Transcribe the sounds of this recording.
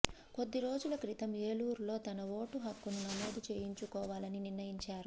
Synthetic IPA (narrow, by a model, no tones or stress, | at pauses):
ko̞d̪ːiɾo̞ːd͡ʒulɐkɾit̪ɐmeːluːɾlo̞ːt̪ɐnɐʋo̞ːʈuɦɐkːununɐmoːd̪ut͡ʃe̞ːjiɲt͡ʃukɔːʋaːlɐniniɾnɐjiɲt͡ʃaːɾu